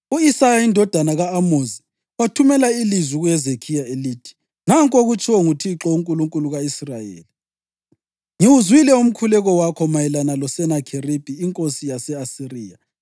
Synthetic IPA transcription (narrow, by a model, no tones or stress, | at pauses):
uisajaindʱɔd̥ʱanaɣaːmozi | watʰumɛlailizwiɣwjɛzekʰijaeliːtʰi̥ | naŋkʼoɣut͡ʃʰʼɔŋutʰiǁɔuŋkʼuluŋkʼuluɣaisrajḛːli | ŋiwuzwilɛum̩kʰulɛɣɔwakʰɔmajɛlanalɔsɛnakʰerib̥ʱiːŋkʼosijasɛasiriːja